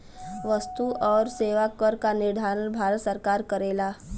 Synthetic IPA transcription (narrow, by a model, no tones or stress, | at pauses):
ʋəst̪uʔɔːɾseːʋakəɾkanɪɾd̪ʱaːɾənbʱaːɾət̪səɾkaːɾkəɾeːlaː